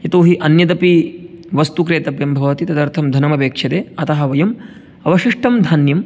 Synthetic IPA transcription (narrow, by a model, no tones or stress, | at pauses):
jɐt̪oːɦiʔɐnjɐd̪ɐpiʋɐst̪ukɾeːt̪ɐbjɐmbʱɐʋɐt̪it̪ɐd̪ɐɾt̪ʰɐmd̪ʱɐnɐmɐpeːkʂɐd̪eːɐt̪ɐɦɐʋɐjɐm | ɐʋɐʃiʂʈɐmd̪ʱaːnjɐm